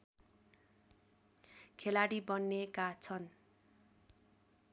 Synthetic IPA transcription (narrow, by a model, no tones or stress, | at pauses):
kʰelaɽibʌnːekat͡sʰʌn